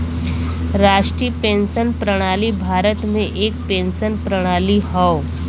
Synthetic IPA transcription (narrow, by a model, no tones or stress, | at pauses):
ɾaːʃʈɾiːpẽːnʃənpɾəɽ̃aːlibʱaːɾət̪mẽʔeːk̚pẽːnʃənpɾəɽ̃aːliɦɐ